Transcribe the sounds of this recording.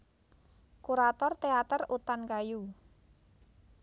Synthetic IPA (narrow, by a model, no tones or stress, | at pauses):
kuɾat̪ɔrt̪eat̪ərut̪ankaju